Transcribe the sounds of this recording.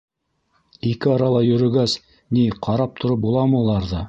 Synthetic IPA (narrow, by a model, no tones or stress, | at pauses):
ikɘɑɾɑlˠɑjɵ̆ɾɘ̆ɡæs | niqʰɑɾɑp̚t̪ʰŏɾɤp̚bulˠɑmɤulˠɑɾðɤ